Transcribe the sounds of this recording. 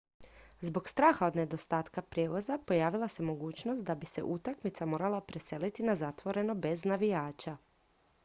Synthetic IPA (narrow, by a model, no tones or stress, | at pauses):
zbo̞ɡst̪ɾaːxao̞d̪ne̞d̪o̞st̪aːt̪kapɾjeːʋo̞zapo̞jaːʋilˠase̞mo̞ɡuːt͡ɕnost̪̚d̪abise̞̰ʔut̪akmit̪samo̞ːɾalˠapɾe̞se̞lit̪inazat̪ʋo̞ɾe̞no̞be̞znaʋijaːt͡ʃa